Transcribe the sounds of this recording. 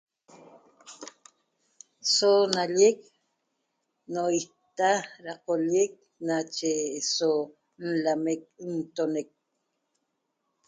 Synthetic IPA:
sonaʎek | noit̪aɾaqoʎek̚ | nat͡ʃeso | n̩lamek̚nt̪onek̚

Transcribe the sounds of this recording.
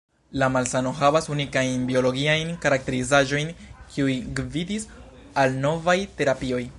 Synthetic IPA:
lamalsano̞ɦavasunikajnbio̞lo̞ɡiajnkaɾak̚te̞ɾizaʒo̞jnkʰiujɡvidis | alno̞vajte̞ɾapio̞j

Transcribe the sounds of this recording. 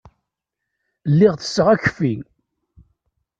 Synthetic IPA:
lːɪʁθə̥sːəʁæçə̥fiŋ

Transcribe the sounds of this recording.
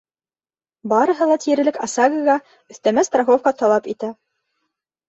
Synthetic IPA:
bɑɾɤ̆ɦɤ̆lˠɑt̪iɾɘ̆lɘkɑsɑɡɤʁɑ | ɵ̆θt̪æmæst̪raχofkɑt̪ɑlˠɑpit̪æ

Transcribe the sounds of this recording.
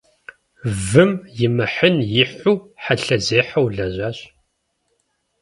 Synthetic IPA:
vɨmjɪmɨħənjɪħʷuːħaɬɐzeːħɐwɮɐʑʷaːɕ

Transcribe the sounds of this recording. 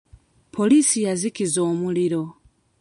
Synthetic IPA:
pʰolisijazikizoːmuliɾo

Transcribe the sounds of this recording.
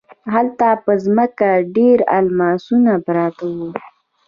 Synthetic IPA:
ɦalt̪apəzməkaɖeɾa̰lmɑsunapɾɑt̪awu

